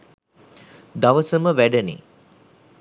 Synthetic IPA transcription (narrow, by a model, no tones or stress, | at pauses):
d̪aʋəsəməʋæɖənḭ